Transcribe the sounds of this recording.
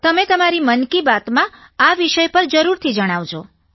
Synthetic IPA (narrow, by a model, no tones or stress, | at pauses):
t̪əmet̪əmaɾimənkibat̪mã | aʋiʃəjpəɾd͡ʒəɾuɾt̪ʰid͡ʒəɽ̃aʋd͡ʒʰo